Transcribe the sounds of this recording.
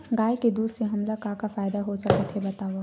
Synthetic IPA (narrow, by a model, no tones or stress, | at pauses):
ɡaːjked̪uːd̪seɦɐmlakaːkafaːɪd̪aɦosɐkət̪ʰɦebɐt̪aːʋa